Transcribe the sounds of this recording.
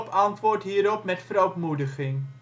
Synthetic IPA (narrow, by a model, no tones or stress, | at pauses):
pɑntʋʊːɹtɦiːɾɔpmɛtfəɾowtmudəχɪŋ